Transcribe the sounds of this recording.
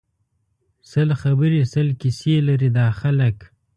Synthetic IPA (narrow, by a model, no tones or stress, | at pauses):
səlxabəɾisəlkiselaɾid̪ɑxalək